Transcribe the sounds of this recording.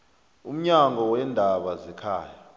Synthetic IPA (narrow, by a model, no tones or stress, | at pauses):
um̩ɲaŋɔwɛndʱaɓazɛkʰaːja